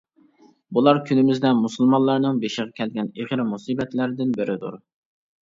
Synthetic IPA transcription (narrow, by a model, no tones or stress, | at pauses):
bulˠɑɾkʲʰynɪmɪznɛmusulˠmɑnlːˠɑɾnɨŋbeʃɪʁɑkʲʰɛlɡʲɛneʁɾmusibɛt̪læɾɪd̪ɪnbɪɾɪd̪ṵɾ